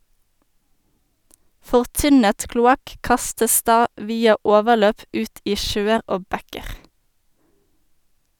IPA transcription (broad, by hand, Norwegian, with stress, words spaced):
fɔʁˈtʏnət klʊˈɑk ˈkɑstəs ˈdɑː ˈʋiːɑ ˈoːʋəʁˌløːp ˈʉːt ˈiː ˈʃøːəʁ ˈoː ˈbɛkəʁ